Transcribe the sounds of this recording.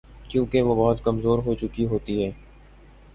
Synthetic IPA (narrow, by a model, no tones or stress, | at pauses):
kjũːkeʋoːbɔɦʊt̪kəmzoːɾɦoːt͡ʃʊkiɦoːt̪iɦɛː